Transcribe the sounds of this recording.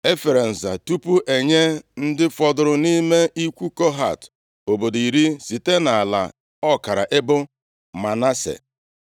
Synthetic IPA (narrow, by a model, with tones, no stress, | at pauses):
e˦fe˨ɾe˨n̩˨za̰˨tu˦pu˦ʔe˨ɲe˦n̩˦dɪ˦fɔ˨dʊ˨ɾʊ˨ni˦me˦i˦kʷu˦ko˦ɦa̰˦˨t | o˨bo˨di˨ɾi˦si˨te˦na˨a˨la̰˨ | ɔ˦ka˨ɾa̰˨ʔe˦bʊ˦ | ma˨na˦sḛ˨